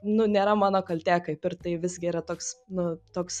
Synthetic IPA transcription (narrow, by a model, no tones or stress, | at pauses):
nʊnʲeːɾɐmɑːnoːkɐlʲt̪ʲæːkɐɪpɪrt̪ɐɪʋʲɪzɡʲɪiːɾɐt̪oːksnʊt̪oːks